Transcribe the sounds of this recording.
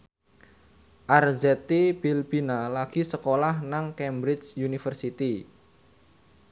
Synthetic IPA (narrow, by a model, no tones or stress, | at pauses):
ʔarzɛt̪ib̥ilb̥inalaɡ̥isəkolahnaŋkɛmbɾɪt͡ʃjunifərsit̪i